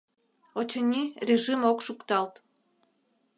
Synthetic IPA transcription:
ot͡ɕənʲirʲeʒimokʃukt̪ɑlt̪

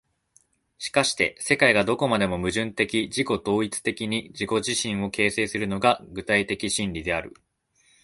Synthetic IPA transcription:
ɕi̥kaɕi̥t̪e̞se̞kaiɡad̪o̞ko̞mad̪e̞mo̞mɯ̟ʑɨ̃nt̪e̞kʲid͡ʑiko̞d̪o̞ːit͡sɨ̥t̪e̞kʲiɲ̟id͡ʑiko̞ʑiɕĩɰ̃o̞ke̞ːse̞ːsɨɾɯ̟no̞ɡaɡɯ̟t̪ait̪e̞kʲiɕĩnɾʲid̪e̞aɾɯ̟̰

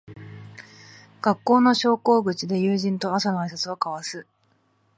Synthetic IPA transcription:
ɡ̥akːo̞ːno̞ɕo̞ːko̞ːɡɯ̟t͡ɕid̪e̞jɯːʑĩnt̪o̞asanoais̬at͡sɨβakaβasɨ

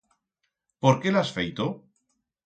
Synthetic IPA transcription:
poɾke̞lasfejt̪o

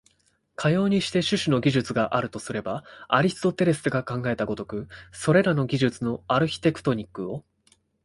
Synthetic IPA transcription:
kʰajo̞ːɲ̟iɕi̥t̪e̞ɕɨɕɨno̞ɡʲiʑɨt͡sɨɡaʔaɾɯ̟t̪o̞sɨɾe̞baaɾʲisɨ̥t̪o̞t̪e̞ɾe̞sɨ̥t̪oɡakãŋɡae̞t̪aɡo̞t̪o̞kɯ̟so̞ɾe̞ɾano̞ɡʲiʑɨt͡sɨno̞aɾɯ̟çʲi̥t̪e̞kɯ̟̥t̪o̞ɲ̟ikːɯ̟o̞

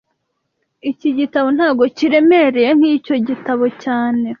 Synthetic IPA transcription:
iciɟitaβo̞n̥haːɡo̞ciɾe̞meɾe̞je̞ŋ̥hico̞ɟitaβo̞caːne̞

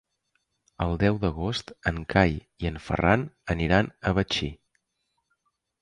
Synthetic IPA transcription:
əlˠd̪ɛwðəɣost̪əŋkʰaj | iəɱfə̰ranəniɾanəβ̞ət͡ʃi

